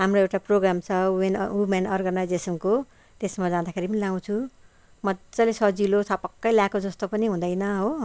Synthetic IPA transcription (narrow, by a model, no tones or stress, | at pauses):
ɦamroewʈaproɡramt͡sʰʌenumanʌrɡʌnajd͡zesʌnko | t̪esmʌd͡zãd̪akʰeɾipʌnilaw̃t͡sʰu | mʌt͡sʌlesʌd͡zilot͡sʰʌpʌkːʌjljakod͡zʌst̪opʌniɦũd̪ʌjnʌɦo